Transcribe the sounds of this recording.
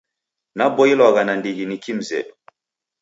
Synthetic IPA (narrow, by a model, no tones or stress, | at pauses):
nabɔilaɣanandiɣinikim̩zɛ̰ɗu